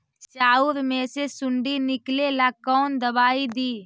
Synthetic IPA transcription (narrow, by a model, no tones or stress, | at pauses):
t͡ʃt͡ʃaːuɾmẽːsesʊɳɖiːnɪkleːlaːkːɔːnd̪əbaːid̪iː